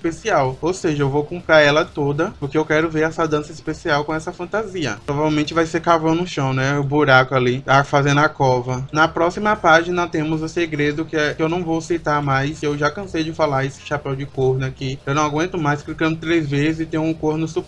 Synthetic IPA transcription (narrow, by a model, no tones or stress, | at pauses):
ispesiawowseʒɐewvowkõmpɾaɾɛlɐt̪od̪ɐpoɾkeewkɛɾʊveɾɛsɐd̪ɐ̃sɐispesiawkõɛsɐfɐ̃nt̪aziɐ̰pɾɔvavewmẽt͡ʃɪvajsekavɐ̃w̃nʊ̃ʃɐ̃w̃nɛʊbuɾakʊaliafazẽnd̪ʊakɔvɐnɐpɾɔsimɐpaʒinɐt̪ẽmʊzʊseɡɾed̪ʊkɪɛkɪewnɐ̃w̃vowsit̪aɾmajsewʒakɐ̃sejd͡ʒɪfalaɾesɪ̥ʃapɛwd͡ʒɪkoɾnʊakiewnɐ̃w̃aɡwẽnt̪ʊmajsklikɐ̃nd̪ʊt̪ɾezvezɪzɪt̪ẽjʊũkoɾnʊsup